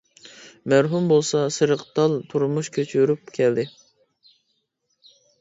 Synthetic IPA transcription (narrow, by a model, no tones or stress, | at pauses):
mæɾɦumbolˠsɑsɨɾəqt̪ɑlˠt̪ʰuɾmuʃkʲʰøt͡ʃʰyɾyp̚kʲʰɛld̪ɪ